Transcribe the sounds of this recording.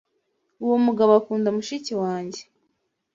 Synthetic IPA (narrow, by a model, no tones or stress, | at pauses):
uwomuɡaβoakuːndamuʃiciwaːɲɟe̥